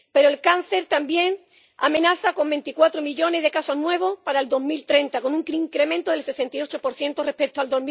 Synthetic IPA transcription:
pe̞ɾoelkan̟θe̞ɾt̪ambje̞ŋ | amẽnaθako̞mbe̞nt̪ikwat̪ɾomiʎo̞ne̞zðe̞kaso̞ɦnwe̞β̞o̞hpaɾaeld̪o̞ɦmilt̪ɾe̞nt̪ako̞nũŋkɾiŋkɾe̞mẽnt̪oðelse̞se̞nt̪io̞t͡ʃopo̞ɾθje̞nt̪orepe̞k̚t̪oald̪o̞ɦmi

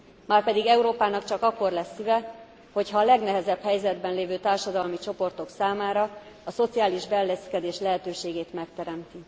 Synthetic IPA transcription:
maːrpɛd̪iɡɛuɾoːpaːnɒkt͡ʃɒkɒkːo̞rlɛsːyvɛ | ho̞chɒːlɛɡnɛɦɛzɛbhɛjzɛd̪bɛnleːvøːt̪aːrʃɒd̪ɒlmit͡ʃo̞po̞rt̪o̞ksaːmaːɾɒː | so̞t̪siaːliʒbɛlːɛskɛd̪eːʃlɛɦɛt̪øːʃeːɡeːt̪mɛkt̪ɛɾɛmt̪i

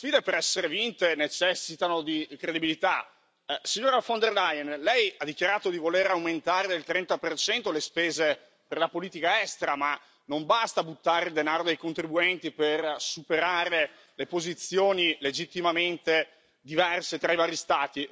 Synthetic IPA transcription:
sfiːd̪epeɾɛsːeɾevint̪enet͡ʃɛsːit̪anod̪ikɾed̪ibilit̪a | siɲːoːɾafond̪erlajɛnlɛjad̪ːik̟jaɾaːt̪od̪ivoleɾawment̪aːɾed̪elt̪ɾɛnt̪apert͡ʃɛnt̪olespeːze | perlapoliːt̪ikaɛst̪eɾama | nombast̪abut̪ːaːɾeild̪enaːɾod̪ejkont̪ɾibuɛnt̪ipersupeɾaːɾe | lepozit̪sjoːniled͡ʒit̪ːimament̪e | d̪ivɛrset̪ɾaivaːɾjist̪aːt̪i

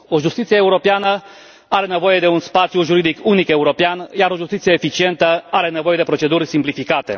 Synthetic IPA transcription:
o̞ʒust̪it̪sijeeuɾo̞peanə | aɾe̞ne̞vo̞je̞d̪e̞unspat̪sjuʒuɾid̪ikunike̞uɾo̞peanjaɾo̞ʒust̪it̪sijeːfit͡ʃie̞nt̪əaɾe̞ne̞vo̞je̞d̪e̞pɾo̞t͡ʃe̞d̪urʲsimplifikat̪e̞̰

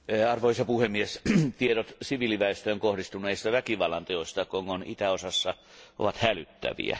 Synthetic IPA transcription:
ɑrʋoisɑpuhemːiest̪ieɾot̪siʋiliʋæest̪æoŋkohdist̪uneist̪ɑʋækiʋɑlːˑɑnt̪eoist̪ɑkoŋkonḭt̪æosɑsːɑ | ʔo̰ʋɑt̪hælyt̪ːæ̰ʋḭæ̰

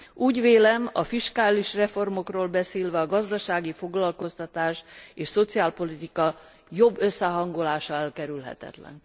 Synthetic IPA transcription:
uːɟʋeːlɛmɒfiʃkaːliʃrɛfo̞rmo̞kroːlbɛseːlvɛɒɡɒzd̪ɒʃaːɡifo̞ɡlɒlko̞st̪ɒt̪aːʃeːʃso̞t̪siaːlpo̞lit̪ikɒ | jo̞bːøsːɛɦɒŋɡo̞laːʃɒɛlkɛɾylɦɛ̰t̪ɛ̰t̪lɛ̰n

